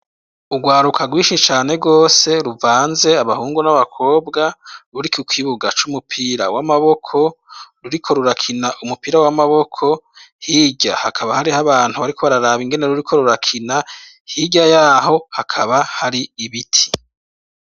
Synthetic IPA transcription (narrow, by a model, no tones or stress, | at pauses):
uɡwaːɾukʰaɡwiːʃit͡ʃaːne̞ɡo̞ːse̞ɾuvaːnze̞aβahuːŋɡunaβakʰo̞ːbɡaɾuɾikukwiβuɡat͡ʃumupʰiɾawamaβo̞kʰo̞ɾuɾikʰo̞ɾuɾakʰinaʔumupiːɾawamaβo̞kʰo̞ | hiːɟa̰hakʰaβahaɾihaβaːn̥huβaɾikoβaɾaɾaβiŋɡe̞ne̞ɾuɾikʰo̞ɾuɾakʰina | hiɟajaːɦo̞hakʰaβahaɾiiβitʰi̥